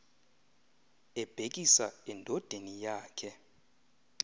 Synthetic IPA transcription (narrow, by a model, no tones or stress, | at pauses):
ɛb̥ʱekʼisaɛndʱɔd̥ʱenijaːkʰɛ